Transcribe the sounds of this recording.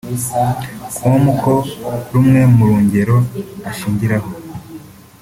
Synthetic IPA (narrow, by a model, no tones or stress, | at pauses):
kwomukʰo̞ɾumŋe̞muɾuːɲɟe̞ɾo̞aʃiːɲɟiɾaho̞